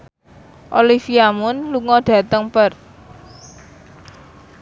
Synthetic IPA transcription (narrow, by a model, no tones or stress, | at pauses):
ʔolifiamʊnluŋɔɖ̥ä̤t̪əŋpər